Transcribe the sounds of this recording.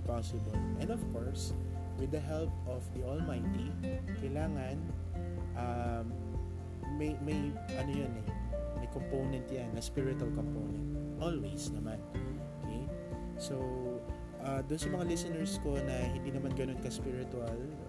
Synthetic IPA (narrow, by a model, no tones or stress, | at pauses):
pasɪbolʔɛnd̪ɔfkoɹs | wɪd̪ɐɦɛlp | ɔfd̪iʔolmajt̪i | kɐjlaːŋɐn | ʔa | mɐjmɐj | ʔɐnojonɛmɐjkompownɛ̃nt̪janːɐspiɹɪt̪uɐlkompownɛnt̪̚ʔolwisnɐman | okʰej | sow | ʔad̪ʊnsɐmɐŋalɪsɪnɛɹsko̞nɐhɪ̃nd̪iːnɐmanɡɐno̞nkɐspiɹɪt̪ʊal